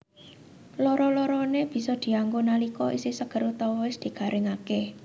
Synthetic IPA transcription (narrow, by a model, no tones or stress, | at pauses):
lɔɾɔlɔɾɔneb̥i̤sɔd̪̥i̤aŋɡonalikɔʔisisəɡ̥ə̤ɾut̪ɔɪsd̪̥i̤ɡ̥a̤ɾʔɪŋakɛh